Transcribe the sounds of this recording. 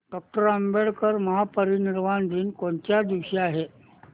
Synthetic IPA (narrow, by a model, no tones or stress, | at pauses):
ɖɔk̚ʈəɾəmbeɽkəɾməɦapəɾiniɾmand̪ʱiːnkoɳt͡ɕjad̪iʋɕeaɦe